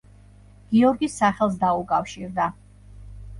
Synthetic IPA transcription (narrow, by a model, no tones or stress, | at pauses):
ɡ̥iɔɾɡisaχɛlˠs̬d̪aukʼafʃiɾd̪a